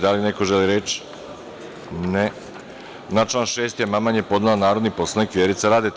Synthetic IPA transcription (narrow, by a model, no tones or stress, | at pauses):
d̪alineko̞ʒeliɾet͡ʃ | ne | nat͡ʃlanʃeːst̪ijemamanjepo̞d̪nalanaːɾod̪niposlˠanekʋʲjeɾit̪saɾaːd̪e